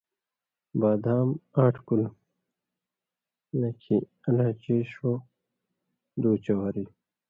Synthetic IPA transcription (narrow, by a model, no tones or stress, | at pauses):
baːd̪aːmaːʈʰkul | nɐkʰi | ɐlãt͡ɕeːɕo | d̪uːt͡ɕɐwaɾi